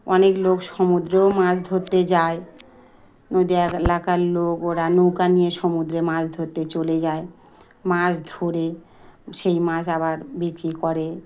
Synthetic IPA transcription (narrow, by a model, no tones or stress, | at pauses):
ɔneklokʃomud̪ɾeomãsd̪ʱoɾt̪ed͡ʑae | nod̪ielakaɾlokoʈanokanijeʃomud̪ɾemãd͡ʑd̪ʱoɾt̪et͡ɕoled͡ʑae | mãd͡ʑd̪ʱoɾe | ʃejmãd͡ʑabaɾbikɾikɔɾe